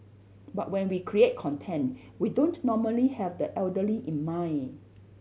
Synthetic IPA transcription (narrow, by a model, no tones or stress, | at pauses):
bat̚wɛ̃nwikʰɹiet̚kʰɔ̃ntʰɛ̃nt | widõnnɔməlihɛvdəʔɛldəliʔĩnmãj̃n